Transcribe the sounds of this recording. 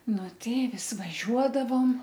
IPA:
ˈnʊ ˈtɐɪ ˈʋʲɪs ʋɐˈʒʲuɔdɐʋoːm

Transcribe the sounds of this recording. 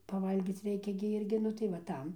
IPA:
pɐˈʋɐlʲɡʲiːt͡s ˈrʲɛɪkʲɛ ɡʲɪ ˈɪrʲɡʲɪ ˈnʊ tɐɪ ʋɐ ˈtɐm

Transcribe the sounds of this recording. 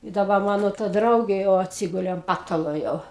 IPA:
ɪ dɐˈbɐ ˈmɑːnoː tɐ ˈdrɐʊɡʲeː jɛʊ ɐtʲˈsʲɪɡʊlʲeː ɐn ˈpɑːtɐlˠoː jɛʊ

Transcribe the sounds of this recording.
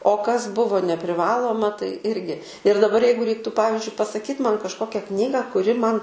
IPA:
oː kɐs ˈbʊʋoː nʲɛpʲrʲɪˈʋɑːlˠoːmɐ tɐɪ ˈɪrʲɡʲɪ ɪr dɐˈbɐr ˈjɛɪɡʊ ˈrʲɛɪktuː ˈpɑːʋʲɪzʲd͡ʒʲʊɪ pɐsɐˈkʲiːt mɐn kɐʃˈkoːkʲɛ ˈknʲiːɡɐ kʊˈrʲɪ mɐn

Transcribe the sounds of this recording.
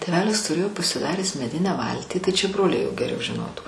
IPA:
tʲeːˈʋʲæːlʲɪs tʊˈrʲeːjoː pɐsʲɪˈdɑːrʲæːs mʲɛˈdʲɪnʲæː ˈʋɐlʲtʲiː tɐɪ t͡ʃʲɛ ˈbroːlʲɛɪ joː ɡʲɛˈrʲɛʊ ʒʲɪˈnoːtuː

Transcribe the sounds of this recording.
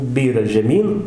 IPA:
ˈbʲiːrɐ ʒʲɛˈmʲiːn

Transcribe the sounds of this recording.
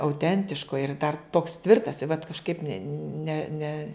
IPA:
ɐʊˈtʲɛnʲtʲɪʃkoː ɪr dɐr toːks ˈtʲʋʲɪrtɐs ɪ ʋɐt kɐʃˈkɐɪp nʲɛ nʲɛ nʲɛ

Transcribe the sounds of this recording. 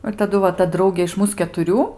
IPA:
ɪr tɐˈdʊ ʋɐ ˈtɐ ˈdrɐʊɡʲeː ɪʃ ˈmuːs kʲɛtʊˈrʲuː

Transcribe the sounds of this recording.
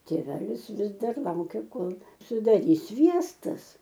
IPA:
tʲeːˈʋʲæːlʲɪs ˈʋʲɪs ˈdɐr ˈlˠɐʊkʲɛ ˈkoːlˠ sʊdɐˈrʲiːs ˈsʲʋʲiɛstɐs

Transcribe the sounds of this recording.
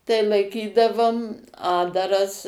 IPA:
tɐɪ lˠɐɪˈkʲiːdɐʋoːm ˈɑːddɐrɐs

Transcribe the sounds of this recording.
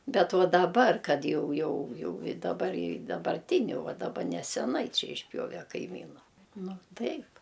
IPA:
bʲɛt ˈʋɐ dɐˈbɐr kɐt ˈjɛʊ ˈjɛʊ ˈjɛʊ ɪ dɐˈbɐr ɪ dɐbɐrʲˈtʲɪnʲʊ ˈʋɐ dɐˈbɐ nʲɛsʲɛˈnɐɪ ˈt͡ʃʲɛ ɪʃʲˈpʲjoːʋʲɛ kɐɪˈmʲiːnʊ ˈnʊ ˈtɐɪp

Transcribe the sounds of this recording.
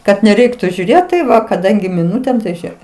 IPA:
kɐt nʲɛˈrʲɛɪktʊ ʒʲuːˈrʲeːt tɐɪ ˈʋɐ kɐˈdɐŋʲɡʲɪ mʲɪˈnʊtʲeːm tɐɪ ˈʒʲeːk

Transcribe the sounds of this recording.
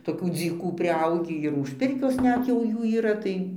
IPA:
toːˈkʲuː d͡zʲiːˈkuː pʲrʲɪˈɐʊɡʲiː ɪr ʊʃ ˈpʲɪrʲkʲoːs ˈnʲɛt jɛʊ ˈjuː iːˈrɐ tɐɪ

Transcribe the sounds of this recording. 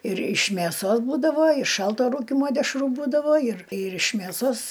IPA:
ɪr ɪʃ mʲeːˈsoːs ˈbuːdɐʋoː ɪ ˈʃɐlˠtoː ˈruːkʲɪmoː dʲɛʃˈruː ˈbuːdɐʋoː ɪr ɪr ɪʃ mʲeːˈsoːs

